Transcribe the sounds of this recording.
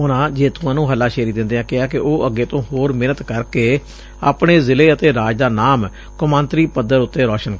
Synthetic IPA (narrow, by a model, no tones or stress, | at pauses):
ʊnãːd͡ʒeːt̪ʊ̃ãːnũːɦəlːaːʃeːɾiːd̪ɪ̃nd̪eːãːkɪaːkɪʔoːʔəɡːeːt̪õːɦoːɾmɪːnət̪kəɾkeː | a̰ːpɳeːzɪleːət̪eːɾaːd͡ʒd̪aːnaːm | kʊmãːnt̪ɾiːpəd̪əɾʊt̪ːeːɾɔːʃən